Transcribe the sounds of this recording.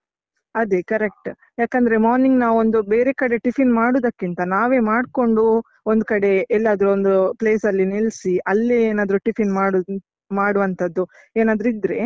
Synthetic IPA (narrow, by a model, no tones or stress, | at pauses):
ɐd̪e̞kɐɾek̚ʈ | jaːkɐnd̪ɐɾe̞maːɾniŋɡnaːʋond̪ubeːɾe̞kɐɽe̞ʈipʰinmaːɽuːd̪ɐkːint̪ɐnaːʋe̞ːmaːɖko̞ɳɖu | ond̪kɐɽe̞ɛlːaːd̪ɐɾuond̪upleːsɐlːinilsiʔɐlːeeːnaːd̪ɐɾuʈipʰinmaːɽu | maːɽuʋɐnt̪ʰɐd̪ːu | eːnaːd̪ɾuid̪ɾe̞̰